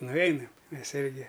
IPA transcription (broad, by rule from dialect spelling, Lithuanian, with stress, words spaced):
nʊˈʋʲɛɪnɐm ˈmʲɛs ˈɪrʲɡʲɪ